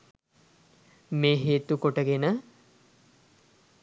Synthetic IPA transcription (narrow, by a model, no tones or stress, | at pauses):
meːɦeːt̪ukoʈəɡenə